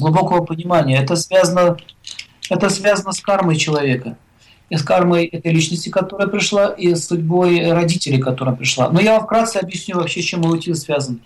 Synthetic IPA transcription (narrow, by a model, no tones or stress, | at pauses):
ɡlˠʊbo̞kəvəpənʲɪmanʲɪjəɛt̪əsvʲazənə | ɛt̪əsvʲazənəskarməjt͡ɕɪlˠɐvʲe̞kə | iskarməjɛt̪əjlʲit͡ɕnəsʲtʲɪkɐt̪o̞ɾəjəpɾʲɪʂlˠaʔisːʊdʲbo̞jɾɐdʲitʲɪlʲɪkɐt̪o̞ɾəjpɾʲɪʂlˠa̰nojafkɾat̪sɨɐbjɪsʲnʲuvɐpɕːet͡ɕemːɨʊtʲinsvʲazən